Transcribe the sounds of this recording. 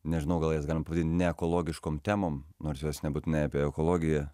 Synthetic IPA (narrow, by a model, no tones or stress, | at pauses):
nʲɛʒʲɪnɐʊɡɐlˠjɛsɡɑlɪmɐpɐʋɐd̪ʲinʲt̪ʲnʲɛɛkoːlˠoːɡʲɪʃkoːmt̪ʲæːmoːmnoːɾsjoːsnʲɛbuːt̪ʲɪnɛɪɐpʲiɛɛkoːlˠoːɡʲɪjɛ